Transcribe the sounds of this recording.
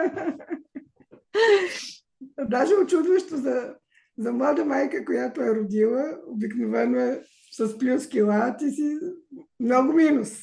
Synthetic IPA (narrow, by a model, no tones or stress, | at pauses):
d̪aʒɛʊt͡ʃud̪vəʃt̪ozɐ | zɐmlˠad̪əmajkəkojat̪ʊɛɾʊd̪ilˠəobiknovɛnoɛ | sɐsplʲuskʲilˠat̪isi | mnɔɡʊminus